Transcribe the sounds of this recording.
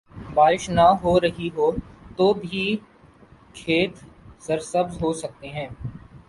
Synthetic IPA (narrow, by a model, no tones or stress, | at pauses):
baːɾɪʃnɐɦoɾɐɦiɦoːt̪oːbʱi | kʰeːt̪sɐɾsɐbzɦosɐk̚t̪eɦɛ̃ː